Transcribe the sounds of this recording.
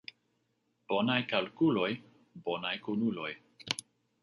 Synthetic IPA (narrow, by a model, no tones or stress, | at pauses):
b̥o̞najkalkulo̞j | bo̞najkunulo̞j